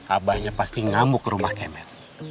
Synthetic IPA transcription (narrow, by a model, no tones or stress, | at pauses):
abahɲapastiŋamʊkɾumahkɛmɛr